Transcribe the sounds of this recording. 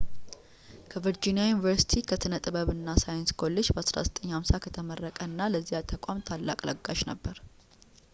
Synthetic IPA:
kʰəvɨɾd͡ʒinijajunivəɾsi̥t̪ʰikʰət̪ʰɨnət̪ʼɨβəβɨnːasajenskʰo̞lːe̞d͡ʒbəasɾa̰zət̪ʼəɲːhamsakʰət̪ʰəmərːəkʼəɨnːaləzːijat̪ʰəkʷʼamt̪ʰalːa̰kʼlə̰ɡːaʃnəbːəɾ

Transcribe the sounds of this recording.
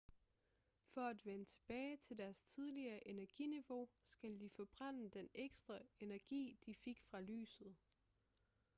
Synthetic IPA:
fɒ̽æd̥ʋenət͡sʰe̝b̥ɛːɪt͡sʰe̝ld̥æɐst͡sʰið̞ˠliɐʔe̝næɐɡ̥iniʋo̝sɡ̥æld̥ifɒ̽b̥ʁan̰əd̥eneɡ̥sd̥ʁɐe̝næɐɡ̥ḭːd̥ife̝ɡ̥fʁɑ̈ly̰ːsð̞̩ˠ

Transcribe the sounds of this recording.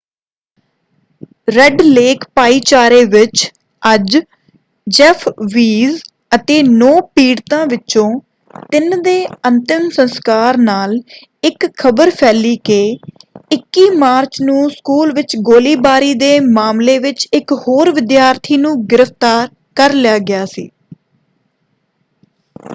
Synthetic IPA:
ɾɛɖleːkpaːiːt͡ʃaːɾeːʋɪt͡ʃ | əd͡ʒ | d͡ʒɛpʰʋiːz | ət̪eːnɔːpiːɽt̪ãːʋɪt͡ʃt͡ʃõː | t̪ɪnd̪eːənt̪ɪmsənskaːɾnaːl | ɪkʰəbəɾpʰɛːliːkeːɪkːiːmaːɾt͡ʃnũːskuːlʋɪt͡ʃɡoːliːbaːɾiːd̪eːmaːmleːʋɪt͡ʃɪkhoːɾʋɪd̪jaːɾt̪ʰiːnũːɡɪɾəft̪aːɾ | kəɾlɪjaːɡɪjaːsḭː

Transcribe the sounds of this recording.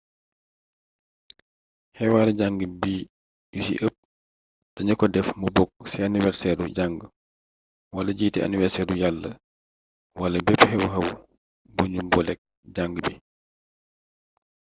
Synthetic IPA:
hɛwaːɾɛɟaŋɡəbiː | jusḭʔəp̚ | d̥ɐɲɐkɔdɛfmubɔk̚sɛaniwɛɾsɛɾuɟaŋɡə | wɐlɐɟiːtɛa̰nivɛɾsɛːɾujalːə | wɐlɐbɛphɛwɦɐw | buɲubɔlɛk̚ | ɟaŋɡəbi

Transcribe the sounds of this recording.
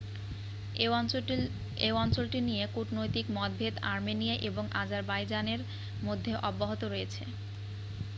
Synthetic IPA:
ewɔnt͡ɕolʈinijekuʈnojt̪ikmɔd̪̚bʱet̪aɾminijaʔeboŋʔad͡ʑaɾbajd͡ʑaneɾ | mod̪ʱːeʔɔbːoɦot̪oɾojet͡ɕʰḛ

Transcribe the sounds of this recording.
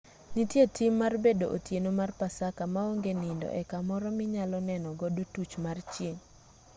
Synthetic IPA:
nitjetʰɪmːarbedoʔo̰tjenomarpasakamaoŋɡenɪndɔ̰ʔɛkamɔɾɔmɪɲalɔnɛnɔɡɔdotut͡ʃmart͡ʃjeŋ

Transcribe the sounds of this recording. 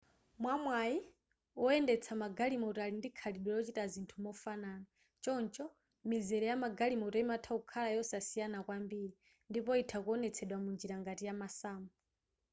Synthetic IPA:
mwamwai | ɔɛndɛt͡sʰamaɡalimɔutalindikʰaliɗwɔlɔt͡ʃitazintʰumɔfanaːna | t͡ʃɔnt͡ʃʼɔ | mizɛɾɛjamaɡalimɔtɔimatʰaukʰalajɔsasijanakwambiːɾi | ndipɔitʰakuɔnɛt͡sʰɛɗwamund͡ʒiɾaŋɡatijamasaːmu

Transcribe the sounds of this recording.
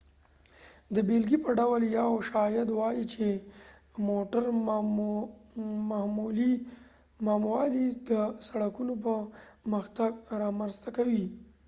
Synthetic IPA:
d̪əbelɡipəɖawljɑwʃɑjad̪wɑjit͡ʃe | moʈaɾ | mamuli | mɑmwɑd̪id̪əsaɽakunop̬əməxt̪aɡɾɑməɾst̪akawi

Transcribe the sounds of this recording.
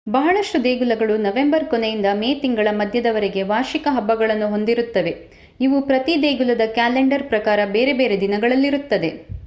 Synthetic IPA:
bɐɦɐɭɐʂʈud̪eːɡulɐɡɐɭunɐʋe̞mbɐɾkonejind̪ɐmeːt̪iŋɡɐɭɐmɐd̪ʱjɐd̪ɐʋɐɾeɡe̞ʋaːʃikɐɦɐbːɐɡɐɭɐnːuɦo̞nd̪iɾut̪ːɐʋe̞ | iʋupɾɐt̪id̪eːɡulɐd̪ɐkaːleɳɖɐɾpɾɐkaːɾɐbeːɾe̞be̞ːɾe̞d̪inɐɡɐɭɐlːiɾut̪ːɐd̪e

